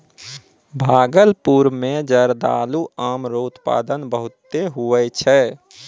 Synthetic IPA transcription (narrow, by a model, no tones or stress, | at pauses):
bʱaːɡəlpuɾmẽd͡ʒəɾd̪a̰ːluaːmɾoːt̪pa̰ːd̪ənbəɦʊt̪ːeɦuɛt͡ʃʰɛ